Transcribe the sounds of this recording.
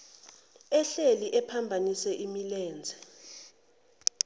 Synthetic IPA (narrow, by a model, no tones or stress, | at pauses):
ɛɬeliʔɛpʰambʱanisɛʔimilɛːnd͡zʱɛ